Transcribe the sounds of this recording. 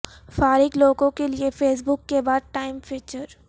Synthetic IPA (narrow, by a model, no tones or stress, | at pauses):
faːɾɪɡloːɡõkeliefeːs̬bʊkːebaːd̪̚ʈaːɪmfiːt͡ʃəɾ